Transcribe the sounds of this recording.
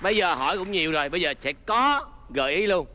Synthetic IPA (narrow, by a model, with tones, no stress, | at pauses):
ɓə˧jzəː˨˩ɦɔ˧˩jkʊ̰˧˥wŋ͡mɲi˨˩əwzo˨˩jɓə˧jzəː˨˩sɛ̰˧˥kɔ˨˦ɣə̰ː˧˨˩jʔi˨˦lu˧ən